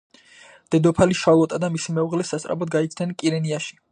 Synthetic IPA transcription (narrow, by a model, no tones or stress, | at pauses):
d̪̥ɛd̪ɔpʰaliʃalɔt̪ʼad̪amisimɛuʁlɛsast̪ʼɾabɔd̪̚ɡait̪sʰnɛnkʼiɾɛniaʃi̥